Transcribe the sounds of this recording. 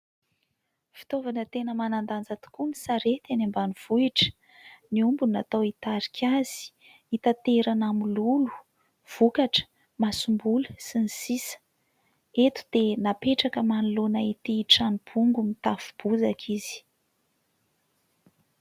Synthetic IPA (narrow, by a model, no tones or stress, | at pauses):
fi̥t̪ovanət̪enəmanand̪and͡zat̪u̥kunisaɾet̪anambaniv̥uiʈ͡ʂə̥ | niumbunat̪awit̪aɾikʰʲaz̥i̥ | it̪at̪eɾanamululu̥ | v̥ukaʈ͡ʂə̥ | masumbulusinisisə̥ | et̪u̥d̪̥enapeʈ͡ʂakəmanulunait̪iʈ͡ʂanib̥uŋɡumit̪afub̥uzakʰiz̥i̥